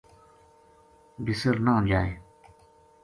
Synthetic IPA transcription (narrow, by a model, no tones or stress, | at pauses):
bisəɾnãːd͡ʑaːj